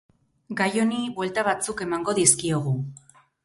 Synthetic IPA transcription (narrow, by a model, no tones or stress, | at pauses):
ɡajo̞nibwe̞lt̪aβ̞at͡suke̞maŋɡo̞ðiskioɣ̞u